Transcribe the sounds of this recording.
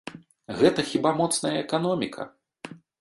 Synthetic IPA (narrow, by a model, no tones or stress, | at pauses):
ɣɛt̪ɐxʲibamɔt̪snɐjɐɛkan̪ɔmʲikʰɐ̰